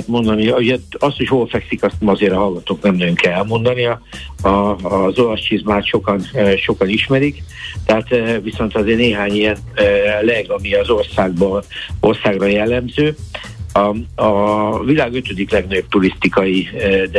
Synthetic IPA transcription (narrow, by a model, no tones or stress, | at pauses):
t̪mo̞nd̪ɒniuɟɛɒst̪ochoːlfɛksikɒst̪nɛmɒzeːɾɒɦɒlɡɒt̪oːknɛmɛjøŋkɛlɛlmo̞nd̪ɒniɒɒːzo̞lɒst͡ʃizmaːt̪ʃo̞kɒnʃo̞kɒniʃmɛɾik | t̪ɛɦaːt̪ːviso̞nt̪ɒzeːneːɦaːɲijɛnølɛɡɒmiɒzo̞rsaːɡ̚bɒo̞rsaːɡrɒjɛlːɛmzøː | ɒɒvilaːɡøt̪ød̪iklɛɡnɒɟob̚t̪uɾist̪ikɒjid̪